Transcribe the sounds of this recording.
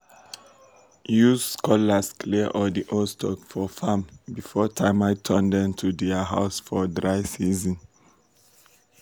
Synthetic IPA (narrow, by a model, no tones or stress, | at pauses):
juzskʰɔlaskʰliəʔɔdiʔostʰɔkfɔfãmbifɔtʰãɪ̃maɪtʰɜ̃ndɛ̃tʰudɛaɦaʊsfɔdɹaɪsizɔ̃n